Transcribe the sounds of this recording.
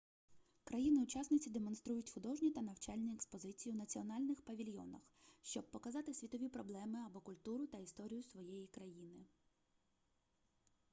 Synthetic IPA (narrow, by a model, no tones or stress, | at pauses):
kɾɐjinɪʊt͡ʃɑsnɪt͡sʲid̪emɔnst̪ɾujʊtʲxʊd̪ɔʒnʲit̪ɐnɐwt͡ʃɑlʲnʲiekspɔzɪt͡sʲijiwnɐt͡sʲiɔnɑlʲnɪxpɐʋʲilʲjɔ̰nɐ̰xʃt͡ʃɔb̚pɔkɐzɑt̪ɪsʲʋʲit̪ɔʋʲipɾɔblˠɛmɪɐbɔkʊlʲt̪uɾʊt̪ɐist̪ɔɾʲijʊsʋɔjɛjikɾɐjinɪ